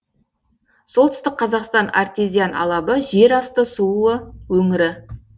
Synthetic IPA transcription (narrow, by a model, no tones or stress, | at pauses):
solˠt̪ʰʏst̪ɪk̚qqʰɑzɑqst̪ɑna̰rt̪ezʲijanɑ̰lˠɑbəʒe̞ɾɑst̪əsuəwɵŋɪɾɪ